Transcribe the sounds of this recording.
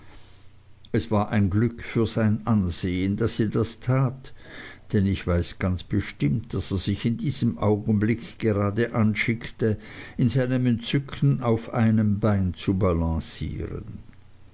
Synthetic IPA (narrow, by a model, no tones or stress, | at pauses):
ɛsv̥aːɐʔaɪnɡlʏkfyːɐzaɪnʔanzeːəndaseːɐdastʰaːtd̥ɛnɪçv̥aɪsɡ̥ant͡sb̥əʃtɪmtd̥aseːɐz̥ɪçɪndiːz̥əmʔaʊɡn̩blɪkɡ̥əʁaːdəʔanʃɪktəɪnzaɪnəmɛnt͡sʏkʰn̩aʊfaɪnəmbaɪnt͡subalɑ̃sḭːʁə̰n